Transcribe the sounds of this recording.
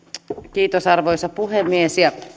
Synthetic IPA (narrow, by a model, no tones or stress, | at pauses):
kiːt̪osɑrʋojsɑpuɦemːiesjɑ